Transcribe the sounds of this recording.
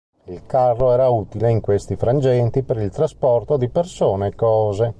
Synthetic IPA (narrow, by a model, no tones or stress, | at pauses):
ilkarːoɛːɾauːt̪ileiŋkwest̪ifɾand͡ʒɛnt̪ipeɾilt̪ɾaspɔrt̪od̪ipersoːneːkːɔːze